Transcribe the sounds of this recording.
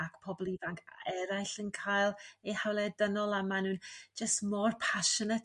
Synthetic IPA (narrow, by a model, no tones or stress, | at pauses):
akpʰɔblˠivaŋkʰɛɾajɬənkʰaːjlˠejhawlˠɛdənɔlˠamanuːnd͡ʒəstmɔrpʰaʃənət